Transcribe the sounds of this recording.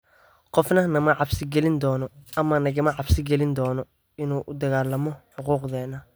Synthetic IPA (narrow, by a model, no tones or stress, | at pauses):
qɔfnɐnɐmɐʕɑbsɪɡɛlɪnd̪ɔːnɔɐmɐnɐɣɐmɐʕɑbsɪɡɛlɪnd̪ɔːnɔ | ɪnuːʔʊd̪ɐɣaːlɐmɔħʊquːqðɛːnɐ